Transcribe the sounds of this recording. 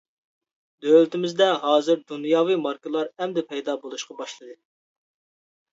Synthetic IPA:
d̪ølɪt̪ɪmɪzd̪ɛɦɑːzɨɾd̪unjɑːwimɑɾkɨlˠɑɾɛmd̪ɛpʰɛjd̪ɑːbolˠuʃqɑbɑʃlˠɨd̪ɨ

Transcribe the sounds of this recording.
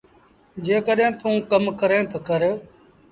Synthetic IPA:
d͡ʒeːkəɗɦẽːt̪ũːkəmkəɾẽːt̪ʰəkəɾ

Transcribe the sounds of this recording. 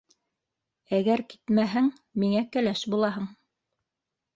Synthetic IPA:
æɡæɾki̥t̪mæɦɘŋ | miŋækælæʃbulˠɑɦɤɴ

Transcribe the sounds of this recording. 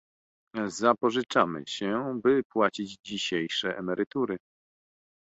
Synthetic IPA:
zapɔʐɘt͡ʂamɘ̰ɕɛbɘpwat͡ɕid͡ʑd͡ʑiɕejʂɛʔɛmɛɾɘt̪uɾɘ

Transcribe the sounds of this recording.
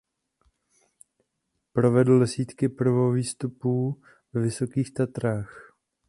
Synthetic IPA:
pɾo̞vɛdl̩dɛsiːt̪kɪpr̩voviːst̪upuː | vɛvɪso̞kiːxt̪at̪ɾaːx

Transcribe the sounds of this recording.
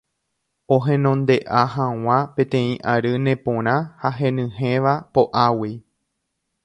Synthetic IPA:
oɦẽ̞nõ̞nd̪e̞ʔaɦãw̃ãpẽ̞t̪ẽ̞ĩʔaɾɨnẽ̞põɾ̃ãhaɦẽ̞nɨ̃ɦẽʋapoʔawi

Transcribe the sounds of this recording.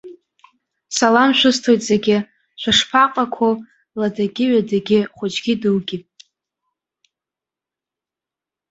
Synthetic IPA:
salamʃᶣʷʊstʰojtʼz̥eɡʲɪ | ʃʷʰaʂpʰaqʼakʷʰo | ladaɡʲɪɥadaɡʲɪχʷʊt͡ʃɡʲɪdɨwɡʲɪpʼ

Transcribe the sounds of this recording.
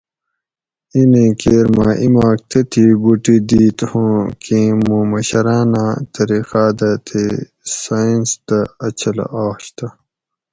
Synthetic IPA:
inẽːkeːɾmaːʔimaːk̚t̪ʰet̪ʰibuʈid̪iːt̪hõːkʰĩmũːmɐɕɐɾaːnat̪ɐɾixaːd̪at̪ʰe | sainst̪ɐɐt͡ɕʰɐl̰ʔaːɕt̪ɐ

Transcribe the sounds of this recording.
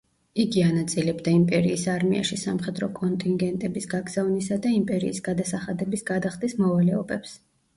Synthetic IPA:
iɡianat̪sʼilɛbd̪aimpʼɛɾiːsaɾmia̰ʃisamχɛd̪ɾɔkʼɔnt̪ʼiŋɡɛnt̪ʼɛbisɡaɡz̥avnisad̪aimpʼɛɾḭːsɡad̪asaχad̪ɛbisɡad̪aχd̪ʼismɔvalɛɔbɛps

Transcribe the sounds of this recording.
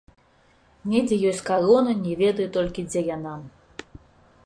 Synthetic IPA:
nʲɛd͡zʲɛjɔsʲt͡sʲkaɾɔnɐnʲɛvʲɛd̪ɐjut̪ɔlʲkʲid͡zʲɛjana

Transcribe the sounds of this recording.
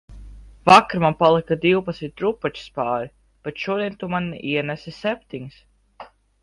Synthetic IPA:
vakɾmanpalˠikad̪iwpat̪smit̪̚ʲɾupat͡ʃi̥spaːɾʲi | b̥et̪ʃuɔd̪iɛnt̪umaniɛnɛsisɛp̚ʲt̪iɲs

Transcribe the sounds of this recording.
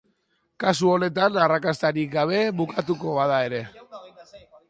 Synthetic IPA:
kasuo̞ne̞t̪anarakast̪aɾik̚ɡaβ̞e̞βukat̪uko̞βað̞ae̞ɾe̞

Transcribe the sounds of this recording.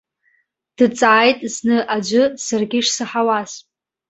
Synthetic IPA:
d̥ɨt͡sʼaːjtʼznɨʔad͡ʒʷɨsarɡʲiʂsɨħawaz

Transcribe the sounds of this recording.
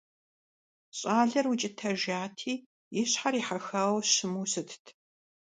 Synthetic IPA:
ɕʼaːɮɐrwʊt͡ʃʼɪtʰɐʒaːtʰiː | jɪɕħaɾiːħaxɐʁɐwɕɪmuːsɨtʰtʰ

